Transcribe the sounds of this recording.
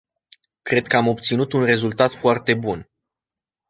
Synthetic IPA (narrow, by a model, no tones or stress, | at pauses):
kɾe̞d̪̚kəamo̞b̚t̪sinut̪unre̞zult̪at̪foart̪e̞bun